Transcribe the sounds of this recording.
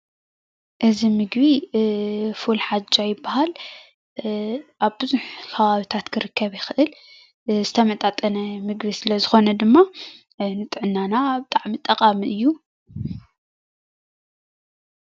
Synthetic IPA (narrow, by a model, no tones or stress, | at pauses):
ʔɨzimɨɡβi | fulħad͡ʒːajɪbːahal | ʔaβbɨzuħkʰɐβaβit̪ʰat̪kʰɨɾɨkʰːɐβjɪxɨʔɨl | zɨt̪ʰɐmɐt̪ʼat̪ʼɐnɐmɨɡbisɨlɐzɨxo̞nɐd̪ɨmːa | nɨt̪ʼɨʕɨnːanabɨt̪ʼaʕmit̪ʼɐqʼamiʔɨjːu